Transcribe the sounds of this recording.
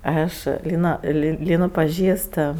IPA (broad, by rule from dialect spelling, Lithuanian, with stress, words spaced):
ˈɐʃ ˈlʲiːnɐ lʲɪ ˈlʲiːnʊ pɐˈʒʲiːst